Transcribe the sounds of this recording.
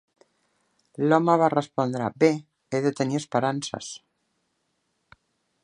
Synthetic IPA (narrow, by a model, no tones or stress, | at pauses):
lomaβarespond̪ɾa̰be | eðet̪eniespeɾansa̰s